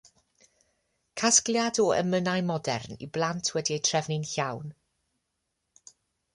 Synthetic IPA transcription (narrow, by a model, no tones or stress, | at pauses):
kʰaskljadɔə̰mənajmɔdɛ̰rnḭblˠantʰwɛdiejtʰrɛvnɪnɬawn